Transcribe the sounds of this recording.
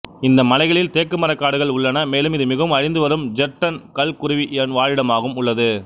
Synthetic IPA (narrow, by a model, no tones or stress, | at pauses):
ɪnd̪ɐmɐlɐɪɣɐɭɪlt̪eːkːɯmɐɾɐkːaːɽɯɣɐɭʊɭːɐnɐmeːlɯmɪðɯmɪɣɐʋɯmɐɻɪnd̪ɯʋɐɾɯmd͡ʒɛʈːɐnkɐlkʊɾɯʋiʔɛnʋaːɻɪɽɐmaːɣɯmʊɭːɐðɯ